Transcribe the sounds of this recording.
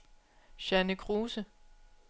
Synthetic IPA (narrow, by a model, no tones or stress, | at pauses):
ɕænəkʰʁuːsə